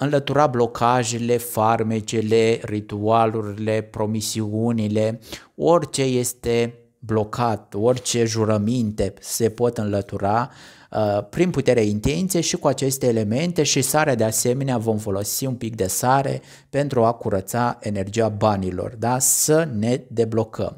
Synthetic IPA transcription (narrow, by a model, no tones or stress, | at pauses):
ɨnlət̪uɾablo̞kʰaʒele̞farmet͡ʃele̞rit̪ualuɾile̞pɾo̞misiunile̞ | o̞rʲt͡ʃe̞je̞st̪e̞ | blo̞kʰat̪̚o̞rʲt͡ʃe̞ʒuɾəmint̪e̞se̞po̞t̪ɨnlət̪uɾa | pɾinput̪e̞ɾeeint̪e̞nt̪sijeʃikuat͡ʃe̞st̪e̞ːle̞me̞nt̪e̞ʃisaɾead̪e̞ase̞me̞neavo̞mfo̞lo̞siunpik̚d̪e̞saɾḛ | pe̞nt̪ɾuakuɾət̪sae̞ne̞rd͡ʒiabanilo̞̰rd̪asəne̞d̪e̞blo̞kʰə̰m